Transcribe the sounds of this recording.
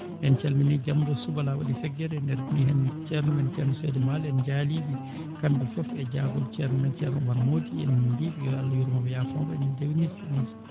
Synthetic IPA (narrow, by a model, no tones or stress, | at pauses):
ʔɛnt͡ʃɛlminɛd͡ʒamdɔsubalawa̰ɗifɛɡːɛɾɛndɛɾnihɛnt͡ʃɛɾnɔmɛnt͡ʃɛɾnɔsɛdɛmalɛnd͡ʒalibi | kandɛfɔfɛd͡ʒaɡɔlt͡ʃɛɾnɔmɛnt͡ʃɛɾnɔmaɾmodiɛ̰ndibiɔalːajuɾmabɛjafɔmbɛnɛndewinisimis